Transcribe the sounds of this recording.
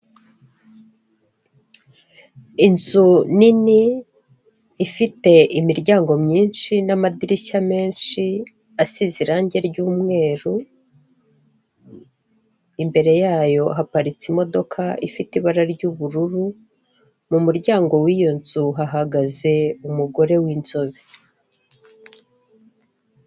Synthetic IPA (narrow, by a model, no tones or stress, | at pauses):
inzunini | fite̞imiɾɟaːŋɡo̞mɲiːnʃinamadiɾiʃame̞ːnʃi | asiziɾaːɲɟe̞ɾɟuːmŋe̞ːɾu | imbe̞ɾe̞jaːjo̞ɦapaɾit͡simo̞do̞kʰaḭfitiβaɾaɾɟuβuɾuɾu | mumuɾɟaːŋɡo̞wijo̞nzuɦaɦaɡaze̞umuɡo̞ɾe̞wiːnzo̞βi